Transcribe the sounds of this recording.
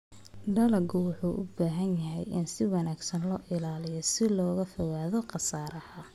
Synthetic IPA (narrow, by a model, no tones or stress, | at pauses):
ɖɐlɐɡʊwʊħuːʔʊ̰baːɦɐnjɐɦɛjɪ̰nsɪwɑnaːɡsɐnlɔːʔɪlaːlɪjɔsɪlɔːɣɐfɔwaːðɔqɑsaːɾɐhɐ